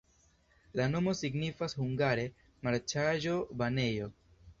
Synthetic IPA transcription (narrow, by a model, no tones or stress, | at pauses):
lano̞mo̞siɡnifashuŋɡaɾe̞ | maɾt͡ʃaʒo̞bane̞jo̞